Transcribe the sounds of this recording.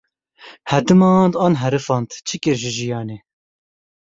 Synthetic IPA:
hɛd̪ɨmɑːnd̪ɑːnɦɛɾɨfɑːnt̪t͡ʃʰɨkɨɾʒɨʒijɑːneː

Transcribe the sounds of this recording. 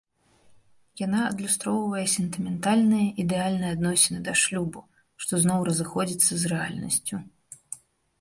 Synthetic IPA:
jan̪aɐd̪lʲust̪ɾɔwvɐjɛsʲɛnt̪ɨmʲɛnt̪alʲnɨjɐʔid̪ɛalʲnɨjad̪nɔsʲɪnɨd̪ɐʂlʲubu | ʂt̪ɔznɔwɾɐzɨxɔd͡zʲit̪sːɐzrɛa̰lʲnɐ̰sʲt͡sʲu

